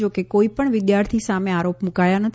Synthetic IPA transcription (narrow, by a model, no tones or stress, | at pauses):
d͡ʒokekoipəɳʋɪd̪jaɾt̪ʰisamẽaɾopmukajanət̪ʰ